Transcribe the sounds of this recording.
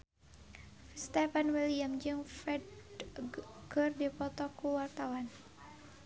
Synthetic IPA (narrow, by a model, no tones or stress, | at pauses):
st̪ɛfanwiliamd͡ʒɨŋfrɛd | kɨrdipɔt̪ɔkuwart̪awan